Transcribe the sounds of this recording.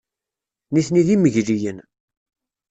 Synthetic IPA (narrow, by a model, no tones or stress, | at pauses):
niθniðiməʝlijən